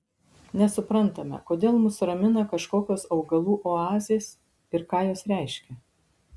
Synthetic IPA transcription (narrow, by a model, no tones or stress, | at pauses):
nʲɛsʊpɾɐnˑt̪ɐmʲɛ̰koːd̪ʲeːlˠmʊsɾɐmʲɪnɐkɐʃkoːkʲoːsɐʊɡɐlˠuːʔoːɑːzʲeːs | ɪɾkɑːjoːsɾʲæɪʃʲkʲɛ